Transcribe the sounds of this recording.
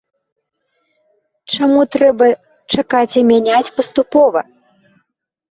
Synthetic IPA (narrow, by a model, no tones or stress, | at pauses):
t͡ʂamut̪ɾɛbɐ | t͡ʂakat͡sʲimʲanʲat͡sʲpɐst̪upɔvɐ̰